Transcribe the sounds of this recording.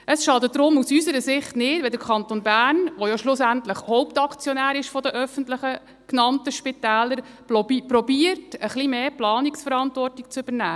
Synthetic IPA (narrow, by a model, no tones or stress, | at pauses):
əsʃɑd̪ədɾʊmusysəɾəsɪχtnɪd̥vʋɛdəɾkʰɑntonbæːrnʋojɔʃlʊsæntləχhoʊpt̪ɑkʰt͡sjɔnæːɾɪʃfɔdəʔœfəntləχə | knɑntəʃpɪtæːləɾ | pɾɔbiərtəχlimeːplɑːniksfəɾɑntʋɔrtik̚t͡sʏb̥əɾnæː